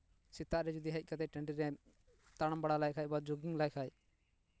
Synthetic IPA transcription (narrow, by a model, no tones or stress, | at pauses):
sɪt̪ːaʔɾɛd͡ʒud̪iɦəc̚ˀkat̪ɛʈɛɳɖiɾɛ | t̪aɽəmbəɽalajkʰaːjbad͡ʒoɡɪŋlajkʰaj